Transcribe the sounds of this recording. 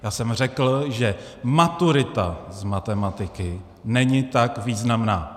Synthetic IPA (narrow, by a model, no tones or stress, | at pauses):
jaːsɛmr̝ɛkl̩ʒɛ | mat̪uɾɪt̪azmat̪ɛmat̪ɪkɪ | nɛɲɪt̪akviːznamnaː